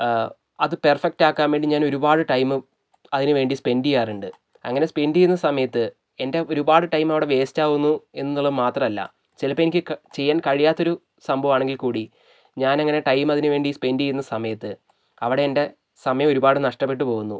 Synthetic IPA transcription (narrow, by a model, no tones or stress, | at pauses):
ɐðɨperfek̚ʈaːkːaːmʋeɳɖiɲaːno̞ɾubaːɽɨʈɐjmɨ | ɐðinɨʋe̞ːɳɖispe̞nɖijaːruɳɖɨ | ɐ̰ŋːɐne̞spe̞nɖijunːɐsɐmɐjɐt̪ːɨ | e̞nde̞o̞ɾubaːɽɨʈɐjmɐʋiɽe̞ʋe̞ːsi̥t͡ɕːaːɣunːue̞nːnːuɭːɐðmaːt̪rɐmɐlːɐ̰ | t͡ɕilɐpːɐenikʲːɨt͡ɕe̞jːaːnkɐɻijaːt̪ːo̞ɾu | sɐmbʱɐʋaːɳe̞ŋɡilkuːɽi | ɲaːnɐŋːɐne̞ʈɐjmɐðinɨʋe̞ːɳɖispe̞ndijunːɐsɐmɐjɐt̪ːɨ | ɐʋiɽe̞ende̞ | sɐmɐjɐmo̞ɾubaːɽɨnɐʂʈɐp̬ːe̞ʈ̬ːɨpo̞ːɣunːṵ